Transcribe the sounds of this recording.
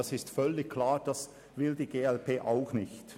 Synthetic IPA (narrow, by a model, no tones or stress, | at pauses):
asɪstfœlːɪçkʰlaːʁd̥as | vɪldiːɡeːɛlpeːʔaʊxnɪçt